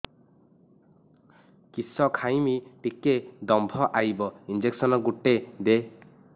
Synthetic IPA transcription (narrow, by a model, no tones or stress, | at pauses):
kisɔkʰajmiʈiked̪ɔmbʱɔʔajbɔind͡ʒeksɔnɔɡuʈːed̪e